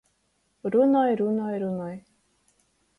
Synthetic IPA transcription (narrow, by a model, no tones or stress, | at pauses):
ɾunɔjɾunɔjɾunɔj